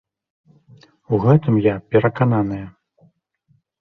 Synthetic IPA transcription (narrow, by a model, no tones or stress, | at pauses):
uɣɛt̪ɨmjapʲɛɾɐkananɨjɐ